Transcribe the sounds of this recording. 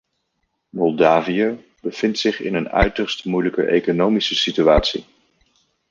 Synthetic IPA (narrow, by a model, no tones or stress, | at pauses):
mɔlˠdaːvijə | bəv̥ɪntsɪχɪ̰nənœ̰ɥtərstmujləkə̰ʔḛjkonowmisəsityaːtsi